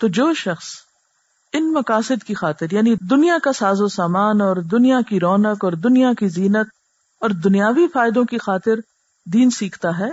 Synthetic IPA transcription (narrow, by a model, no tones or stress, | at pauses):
t̪oːd͡ʒoːʃɐxs | ɪnmɐkaːsɪd̪kixaːt̪ɪɾjaːnid̪ʊnijakasaːzosaːmaːnɔːɾd̪ʊnijakiɾɔːnəkɔːɾd̪ʊnijakiziːnət̪̚ | ɔːɾd̪ʊnijaːʋifaːɪd̪õkixaːt̪ɪɾ | d̪iːnsiːkʰt̪aɦɛː